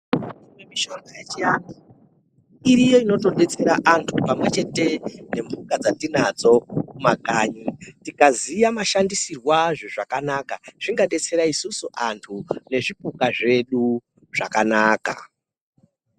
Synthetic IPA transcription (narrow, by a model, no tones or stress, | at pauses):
imwemiʃo̞ŋɡajat͡ʃijani | iɾijo̞ino̞to̞ɗe̞t͡se̞ɾaʔantʰupamwe̞t͡ʃe̞te̞ne̞mbukad͡zatinad͡zo̞kumakaːɲitikazijamaʃandisirwaʐeʐakanakaʐ̥iŋɡaɗe̞t͡se̞ɾaisusuʔantʰune̞ʐipukaʐe̞ɗu | ʐ̥a̰kanaːka̰